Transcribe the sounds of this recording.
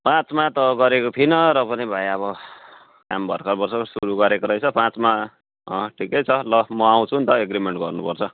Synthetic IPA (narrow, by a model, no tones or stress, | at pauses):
pãt͡smat̪ʌɡʌɾekot̪ʰinʌɾʌpʌnibʱajʌβʌ | kambʱʌrkʰʌrbʌrsʌsuɾuɡʌɾekoɾʌjt͡sʰʌpãt͡sma | ʈʰikʌjt͡sʰʌlʌmʌaw̃t͡sʰunt̪ʌeɡɾimeɳʈɡʌrnupʌrt͡sʰʌ